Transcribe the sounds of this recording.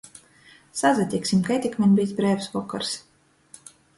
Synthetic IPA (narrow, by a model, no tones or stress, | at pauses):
sazat̪ʲiksʲimkajt̪ʲikmʲɛnʲbʲijsbɾɛːwsvɔkːa̰ɾs